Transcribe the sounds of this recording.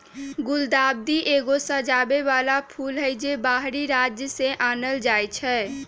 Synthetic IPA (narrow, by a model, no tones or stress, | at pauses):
ɡʊld̪aːb̚d̪iʔeːɡosəd͡ʒaːbeʋaːlapʰulɦəjd͡ʒebaɦɾiɾad͡ʒjəseʔaːnəld͡ʒaːjt͡ʃʰɛ